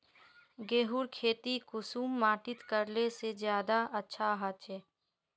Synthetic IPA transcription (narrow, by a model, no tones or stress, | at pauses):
ɡeːɦuɾkʰeːt̪ikʊsuːmːaːʈɪt̪kəɾlesezjaːd̪aɐtːʃʰaɦat̪ɛː